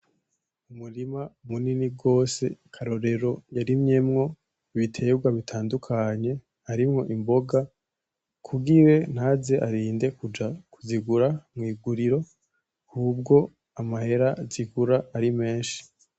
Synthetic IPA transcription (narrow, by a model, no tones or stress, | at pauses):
umuɾimamuniniɡo̞ːse̞̰kʰaɾo̞ɾe̞ɾo̞jaɾimɲe̞mŋo̞ | βitʰe̞bɡwaβitʰaːndukʰaɲe̞ | haɾimŋo̞ʔimbo̞ɡa | kʰuɡiɾe̞n̥haːze̞ʔaɾiːnde̞kud͡ʒakuziɡuɾamŋiːɡuɾiɾo̞ | hub̚ɡo̞ | amahe̞ɾaziɡuɾaːɾime̞ːnʃi̥